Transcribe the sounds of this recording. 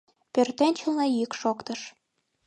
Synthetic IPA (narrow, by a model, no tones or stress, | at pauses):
pørt̪enʲt͡ɕə̆lnejykʃokt̪ɤ̆ʃ